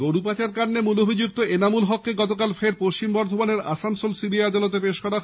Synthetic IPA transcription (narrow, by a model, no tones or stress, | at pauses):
ɡoɾupat͡ɕaɾkanːemulobʱid͡ʑuk̚t̪oenamulɦɔkːeɡɔt̪okalfʰeɾpoʃt͡ɕimbɔɾd̪ʱomaneɾa̰sansolsibiajad̪alɔt̪̬epeʃkɔɾa